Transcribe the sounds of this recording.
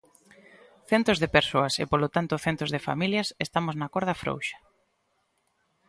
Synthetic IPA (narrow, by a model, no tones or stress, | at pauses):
θɛnt̪ozðepeɾsoɐsḛpolot̪ant̪ʊθent̪ozðefa̰miljɐsest̪amoznɐkoɾðɐfɾo̰wʃḁ